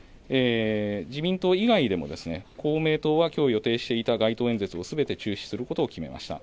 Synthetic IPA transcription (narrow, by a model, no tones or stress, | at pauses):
eːd͡ʑimʲĩnt̪o̞ːiɡaid̪e̞mo̞̰d̪e̞sɨne̞kʰo̞ːme̞ːt̪o̞ːβakʲo̞ːjo̞t̪e̞ːɕi̥t̪e̞it̪aɡait̪o̞ːend͡ze̞t͡sɨo̞sɨbe̞t̪e̞t͡ɕɨːɕi̥sɨɾɯ̟ko̞t̪o̞ːkʲime̞̰mʔa̰ɕi̥t̪a̰